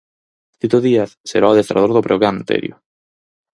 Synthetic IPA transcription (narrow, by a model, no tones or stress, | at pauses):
t̪it̪oðiaθseɾaaðest̪ɾa̰ðoɾðopɾoɣɾant̪ḛɾjʊ̰